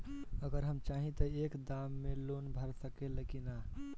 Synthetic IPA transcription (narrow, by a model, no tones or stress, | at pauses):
əɡəɾɦəmt͡ʃaɦĩt̪əekd̪amːelonbʱəɾsəkeləkina